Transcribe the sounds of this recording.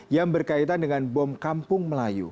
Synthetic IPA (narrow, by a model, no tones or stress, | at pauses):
jaŋbərkait̪andəŋanbɔmkampʊŋməlajṵ